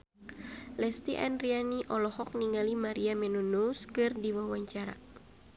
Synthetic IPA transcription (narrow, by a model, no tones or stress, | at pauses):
lɛst̪iʔanrianiʔɔlɔhɔk̚niŋɡalimaɾiamɛnunuskɨrdiwawaɲt͡ʃaɾa̰